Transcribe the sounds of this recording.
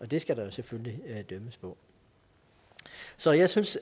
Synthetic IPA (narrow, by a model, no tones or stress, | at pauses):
ʔɒ̽d̥e̝sɡ̥æɾɑ̈jo̝seføllid̥øməspʰɒ̽ | sɒ̽jɑ̈ɪsyns